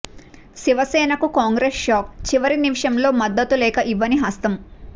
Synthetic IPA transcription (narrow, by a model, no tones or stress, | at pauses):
siʋɐsɛːnɐkukaːŋɡɾeːsʃaːk̚t͡ʃiʋɐɾinimʂɐmlo̞ːmɐd̪ːɐt̪ulɛːkɐʔiʋːɐniɦɐst̪ɐm